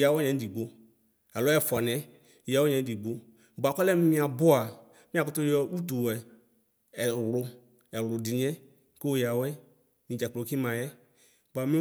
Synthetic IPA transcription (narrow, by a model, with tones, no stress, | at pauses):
ja˨wɛ˦ɲɛ̃˨˦di˨ɡ͡bo˨ | a˨lɔ˦ɛ˦˨fɔ˨nɛ̃˨˦˨ | ja˨wɔ˦ɲɛ̃˨˦di˨ɡ͡bo˨ | ba˨kɔ˦lɛ˦m˦ĩ˦a˨bʊ˦a˨ | mĩ˦a˨kʊ˦tʊ˦ɔ˧u˦to˨ɛ˨ | ɛ˨wɾʊ˨ | ɛ˨wɾʊ˨di˨ɲɛ̃˦ | ko˦o˦˨ja˨wɛ˦ | mĩ˨d͡ʒɛ˨k͡plo˨˦ki˦mã˨jɛ˦ | ba˨mĩ˦